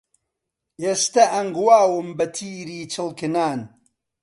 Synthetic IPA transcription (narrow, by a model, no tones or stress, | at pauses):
eːst̪ɐʔɐŋɡwaːwɨmbɐt̪ʰiːɾiːt͡ʃʰɨlkɨnaːn